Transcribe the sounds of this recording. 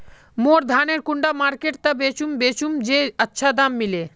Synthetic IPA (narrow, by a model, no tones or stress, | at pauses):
moɾd̪ʱaneɾkuɳɖamaɾkeʈ̚t̪abet͡ɕumbet͡ɕumd͡ʑeətːʃʰad̪amːile